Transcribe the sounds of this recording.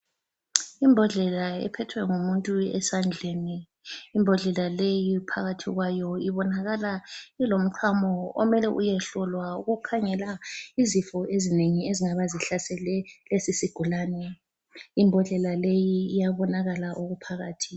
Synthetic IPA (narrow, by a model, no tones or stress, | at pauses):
imbʱɔɮɛlaɛ̰pʰɛtʰwɛŋumuntʼuɛ̰sand͡ɮʱeni | imbʱɔɮɛlalejipʰaɣatʰiɣwajɔiβɔnaɣalailom̩ǃʰamɔɔ̰mɛlɛʔujɛɬɔlwauɣukʰaŋɛlaizifɔezineŋieziŋaβaziɬasɛlɛlesisiɡ̥ʱulaːnɛ | imbʱɔɮɛlalejiːjaβɔnaɣalaʔoɣupʰaɣaːtʰi